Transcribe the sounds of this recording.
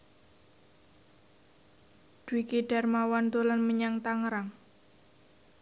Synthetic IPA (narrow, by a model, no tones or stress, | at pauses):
d̥uikiɖ̥armawant̪olanməɲaŋt̪aŋɾaŋ